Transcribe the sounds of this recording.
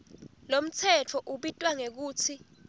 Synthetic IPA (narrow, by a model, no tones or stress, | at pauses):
lom̩t͡sʰɛt͡fʰɔʔuɓitʼwaŋek̬uːt͡sʰi